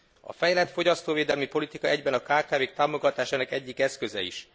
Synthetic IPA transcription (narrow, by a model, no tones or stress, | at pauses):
ɒ̰fɛjɛlɛt̪fo̞ɟɒst̪oːveːd̪ɛlmipo̞lit̪ikɒɛɟbɛnɒkaːkaːveːk̚t̪aːmo̞ɡɒt̪aːʃaːnɒkɛɟːikɛskø̞zɛ̰ḭʃ